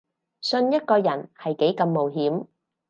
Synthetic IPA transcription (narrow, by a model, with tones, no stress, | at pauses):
sɵ˧njɐ˥t̚kɔː˧jɐ˨˩nhɐ˨jke˨˥jkɐ˧mːo˨˩wɦiː˨˥m